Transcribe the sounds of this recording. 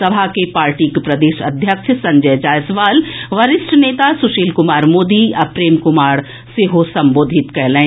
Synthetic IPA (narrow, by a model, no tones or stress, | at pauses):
ɐbʱakepaːɾʈikpɾɐd̪eːʃɐ̰d̪ʱjəkʃʰsɐ̃ɲd͡ʒəjd͡ʒaːjsʋaːlʋɐɾɪsʈʰəneːt̪asʊʃiːlkʊmaːɾmoːd̪iɐpɾeːmkʊmaːɽ | seɦosɐ̃mboːd̪ʱɪt̪kɛɦlẽː